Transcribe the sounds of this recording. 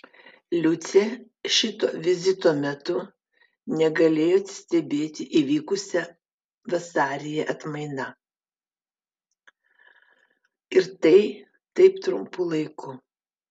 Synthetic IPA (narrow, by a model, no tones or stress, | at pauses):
lʲʊt̪sʲe | ʃʲɪt̪oːʋʲɪzʲɪt̪oːmʲɛt̪ʊ | nʲɛɡɐlʲeːjoːɐt̪sʲt̪ʲɛbʲeːt̪ʲɪʔiʋʲiːkʊsʲɛ | ʋɐsɑːɾʲɪjɛʔɐt̪mɐɪnɐ | ɪɾt̪ɐɪ | t̪ɐɪpt̪ɾʊmpʊlˠɐɪkʰʊ